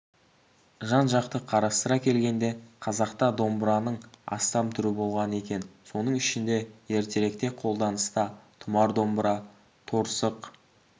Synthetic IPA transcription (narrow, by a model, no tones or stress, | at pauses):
ʒɑnʒɑqt̪əqʰɑɾɑst̪əɾɑkʲʰe̞lɡʲe̞nd̪e̞qʰɑzɑqt̪ɑd̪o̞mbɾɑnəɴɑ̰st̪ɑmt̪ʰʏɾɪbo̞lˠʁɑne̞kʲe̞nso̞nəɴʏʃɪnd̪e̞je̞ɾt̪e̞ɾe̞kt̪e̞qʰo̞lˠd̪ɑnəst̪ɑt̪ʰʊmɑɾd̪o̞mbɾɑ | t̪ʰoɾsəq